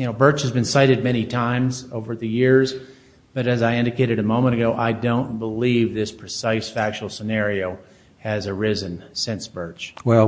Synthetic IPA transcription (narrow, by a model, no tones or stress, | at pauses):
jɨnoʊbɜ˞t͡ʃhɨzbɨ̃nsaɪɾɨd̚mɛñitʰãɪ̃mzoʊvə˞ðɨjɪɹz | b̥ʌɾɨzaɪɪ̃ndɨkʰeɪɾɨɾɨmõʊ̃mə̃ɾ̃ɨɡoʊʔaɪdõʊ̃nb̥əlivðɪspʰɹ̥ɨsaɪsfæk̚t͡ʃl̩ˠsənɛɹioʊ | ɨzə˞ɪzɨ̃nsɪ̃nsb̥ɜ˞t͡ʃwɛlˠ